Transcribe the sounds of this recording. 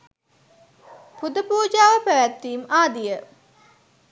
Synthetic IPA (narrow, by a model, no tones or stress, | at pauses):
pud̪əpuːd͡ʒaːʋəpæʋæt̪ːiːmaːd̪ijə